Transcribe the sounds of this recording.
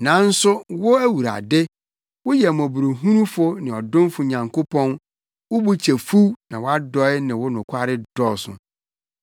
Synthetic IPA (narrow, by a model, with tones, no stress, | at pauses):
nã˨˦n̩˦sʊ˦wʊ˦æ˦wu˨ɾa̰˨dɪ˦ | wʊ˦jɛ˨m˨ɔ̃˨bu˨ɾu˨ɦũ˦nũ˦fʊ˦nɪ̃˨ɔ˨dʊ̃˦mfʊ˨ɲã˨ŋkʰo˦pʰɔ̃˦n | wʊ˦bu˦t͡ɕʰɛ˨fu˦nã˨wa˦dɔ˦ɪ˦nɪ̃˨wʊ˦nʊ̃˨kʷʰa˦ɾɪ˦dɔ˦sʊ̰̃˨